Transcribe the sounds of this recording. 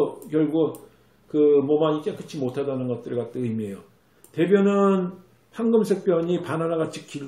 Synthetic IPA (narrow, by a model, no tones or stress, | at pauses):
kjʌɭɡu | kɯmʌmaɲit͡ɕ͈ak͈ʰɯt͡ɕʰimotʰadanɯnɡʌt̚t͈ɯɭkat͈eɯjmie̞jo | te̞bjʌnɯn | ɸaŋɡɯmsʰe̞k̚p͈jʌɲipananaɡat͡ɕʰi̥k̚k͈i